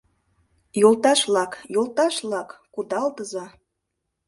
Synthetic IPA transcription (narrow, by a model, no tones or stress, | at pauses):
jolt̪ɑʃlɑkjolˠt̪ɑʃblɑkːud̪ɑlt̪əzɑ